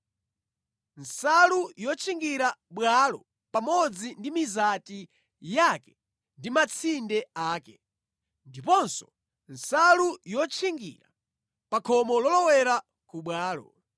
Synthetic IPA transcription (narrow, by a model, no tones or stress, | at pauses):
nsalujɔt͡ʃʰiŋɡiɾaɓwalɔ | pamɔd͡zindimizati | jakɛ̥ | ndimat͡sʰindɛaːkɛ | ndipɔnsɔ | n̩salujɔt͡ʃʰiŋɡḭɾa | pakʰɔmɔlɔlɔwɛɾa | kuɓwaːlɔ̰